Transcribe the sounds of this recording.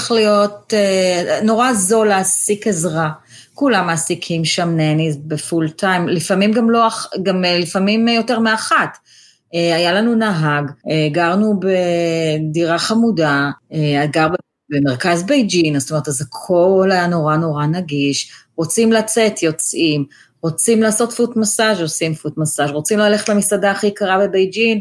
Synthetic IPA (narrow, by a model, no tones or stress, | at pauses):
lijo̞teno̞ʁaːzo̞laːsikezʁakulamasikʰimʃamnenizbefultajmlifamimɡamloaχɡamlifamimjo̞teʁmeaχat | eajalanunaɦaɡeɡaʁnubediʁaχamudaeaɡaʁbe | beme̞ʁkazbejd͡ʒinazt̪ome̞tazekʰo̞lajano̞ʁano̞ʁanaɡiʃʁot͡simlat͡se̞tʰjo̞t͡sim | ʁot͡simlaːso̞tfutmasaʒosimfutmasaʃʁot͡simlaleχetlamisadaːχikaʁabebejd͡ʒin